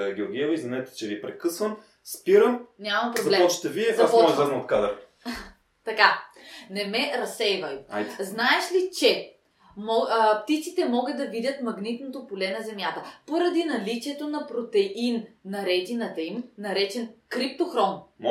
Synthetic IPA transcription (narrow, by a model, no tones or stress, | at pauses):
ɡʲoɡʲɛɛvɐizvʲinɛt̪ɛ̥t͡ʃɛvipɾɛkɤsvɐn | spiɾəmnʲamɐmpɾɾobzɐlɛɔʃt̪ɛviɛzɐaszlɛznɐot̪̚kad̪əɾi | t̪ɐka | nɛmɛɾɐsɛjvɐja̰jt̪znaɛʃlit͡ʃɛ | mɔpt̪it̪sit̪ɛmɔɡəd̪d̪ɐvid̪ʲət̪mɐɡnit̪not̪opolɛnɐzɛmjat̪əpoɾɐd̪inɐlit͡ʃiɛt̪onɐpɾot̪ɛinnɐɾɛt̪inɐt̪ɐimnɐɾɛt͡ʃɛnkɾip̚t̪oxɾɔmm